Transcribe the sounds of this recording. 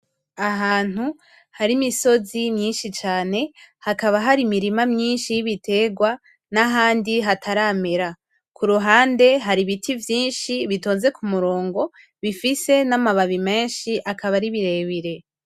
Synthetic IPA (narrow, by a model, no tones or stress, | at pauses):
aɦaːn̥hu | haɾimiso̞zinɲiːnʃit͡ʃaːne̞hakaβaɦaɾimiɾimamɲiːnʃijiβitʰe̞ːɡwa | naɦaːndiɦatʰaɾame̞ɾa | kʰuɾuɦaːnde̞ɦaɾiβitʰivjiːnʃiβitoːnze̞kumuɾo̞ːŋɡo̞ | βifise̞namaβaβime̞ːnʃiʔakʰaβaɾiβiɾe̞βiɾe̞